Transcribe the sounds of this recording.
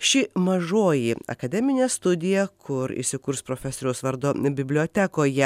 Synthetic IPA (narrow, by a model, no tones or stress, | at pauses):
ʃʲɪmɐʒoːjɪɐ̰kɐd̪ʲɛmʲɪnʲeːst̪ʊd̪ʲɪjɛkʰʊɾḭsʲɪkʊɾspɾoːfʲɛsoɾʲɛoʊsʋɐɾd̪oːbʲɪbʲlʲoːt̪ʲækoːjɛ